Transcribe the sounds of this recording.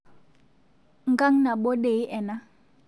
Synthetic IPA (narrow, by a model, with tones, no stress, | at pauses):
ŋ̩˨kʼa˦ŋ̩˦na˨ɓo˦de˨i˦ʔɛ˨na˦